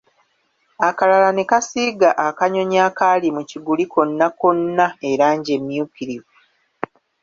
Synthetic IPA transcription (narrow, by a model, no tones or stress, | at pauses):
akalalanekasiɡaʔakaɲo̞ɲaːkalimuciɡulikʰo̞nːako̞nːaeɾaːɲɟe̞mjuːkiɾivu